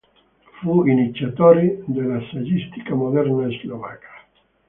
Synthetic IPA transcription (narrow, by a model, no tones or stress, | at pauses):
fuinit͡sjat̪oɾid̪elasaʎist̪i̥kamoðeɾnaezloβa̰kḁ